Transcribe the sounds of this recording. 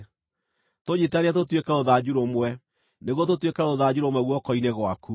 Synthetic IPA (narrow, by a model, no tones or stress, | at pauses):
toɲetaɾeat̬otwekaoðad͡ʑuɾomwɛ | neɣwototwekaoðad͡ʑuɾomwɛɣwɔkɔineɣwaku